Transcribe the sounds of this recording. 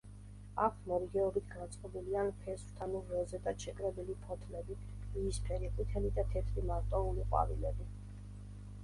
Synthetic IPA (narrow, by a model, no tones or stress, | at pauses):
akʰmɔɾiɡɛɔbit̪ʰɡant̪sʼqʼɔbilianpʰɛswt̪ʰanuɾːɔzɛt̪ʼaʃɛkʼɾɛbilipʰɔt̪ʰlɛbi | liːspʰɛɾikʼit̪ʰɛlid̪at̪ʰɛt̪ʰɾimaɾt̪ʼɔuliqʼwa̰vḭlɛbi